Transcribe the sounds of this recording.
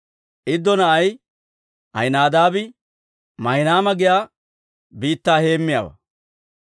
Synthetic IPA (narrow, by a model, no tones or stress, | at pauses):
ʔɪd̪ːɔnɐʔɐj | ɐ̰jnaːd̪aːbɪ | mɐjnaːmɐɡɪjaː | biːt̪ːaːhe̞ːmːɪja̰ːbɐ̰